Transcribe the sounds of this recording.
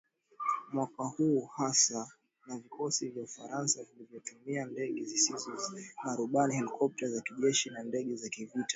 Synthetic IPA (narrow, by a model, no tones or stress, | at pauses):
mwakahuːhasa | navikɔsivjaufaɾansavilivjɔtumiandɛɠɛzisizɔnaɾuɓanihɛlikʰɔp̚tazakiʄɛʃinandɛɠɛzakivitḁ